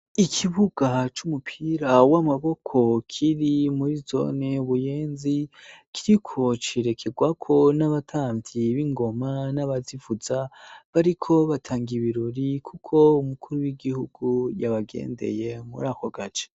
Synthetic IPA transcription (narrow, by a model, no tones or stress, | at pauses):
ikʰiβuɡ̥at͡ʃumupʰiɾawamaβo̞kʰo̞kʰiɾimuɾizo̞̰neβujeːnzikʰiɾikʰo̞t͡ʃiɾe̞kʰeɡwakʰo̞naβatʰaːmbiβiŋɡo̞manaβazivuzaβaɾikʰo̞βatʰaːŋɡiβiɾoɾikʰukʰo̞umukʰuɾuwiɡihuɡ̥ujaβaɡe̞̰ːnde̞̰je̞mṵɾaːkoɡat͡ʃe̥